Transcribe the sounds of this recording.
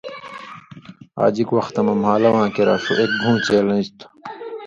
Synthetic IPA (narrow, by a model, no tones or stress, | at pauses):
a̰ːd͡ʑikwɐxt̪ɐmɐmɦaːlɐwãːkeɾa̰ːfṵʔek̚bʱũːt͡ɕeːlɐ̃ist̪ʰ